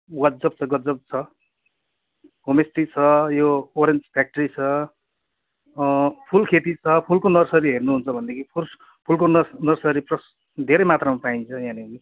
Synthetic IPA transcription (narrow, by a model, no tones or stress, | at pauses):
ɡʌd͡zʌb̚t͡sʰʌɡʌd͡zʌb̚t͡sʰʌ | ɦomesʈit͡sʰʌjooɾent͡spʰak̚ʈʌrit͡sʰʌ | pʰulkʰet̪it͡sʰʌpʰulkonʌrsʌɾiɦernuɦunt͡sʰʌbʱʌnd̪ekʰipʰu | pʰulkonʌnʌrsʌɾiprʌs | d̪ʱeɾʌjmat̪ramapaint͡sʰʌjãniki